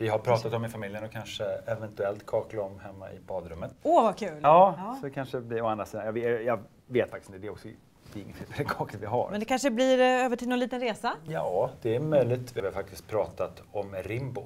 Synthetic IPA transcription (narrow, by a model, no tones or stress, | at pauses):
vɪɦaɾpʰɾɑːt̪at̪ɔmɪfamɪljənɔkʰanʂəɛvɛnt̪ɵɛlt̪kʰɑːklaɔmhɛmːa̰ʔɪ̰bɑːd̪ɾɵmːət̪ovakʰʉ̟ːlɑːsɔd̪ɛkʰanʂəɛblɪɾɔand̪ɾasiːd̪anjɑvjɑ | veːt̪fakt̪ɪ̥sɪnəd̪ɛɾɔksɔ | d̪ɛɪŋːət̪eːɛlɛkʰɑːklət̪vɪɦa̰ɾmɛnd̪ɛkʰanʂəbliɾøːvəʈʰɪlnɔniːt̪ənɾeːsajɑːd̪̥ɛæɾmœjlɪt̪vɪvɪhaɾfak̚t̪ɪ̥st̪̚pʰɾɑːt̪at̪ | ɔmɾɪmbʊ